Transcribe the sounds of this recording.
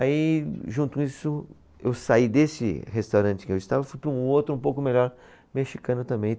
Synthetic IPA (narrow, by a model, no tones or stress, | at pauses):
aiʒũnt̪ʊkisʊ | ewsaid̪esɪ̰hest̪awɾɐ̃nt͡ʃɪ̥kɪewɪst̪avɐfujpɾɐũowt̪ɾʊũpowkʊmeʎɔɾ | meʃikɐ̃nʊt̪ɐ̃mbẽj̃